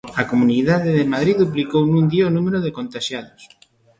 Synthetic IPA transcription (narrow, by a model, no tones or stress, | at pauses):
ɐkomuniðaðeðɪmaðɾiððuplikownũŋd̪iɐonumeɾoðekont̪aʃjaðʊs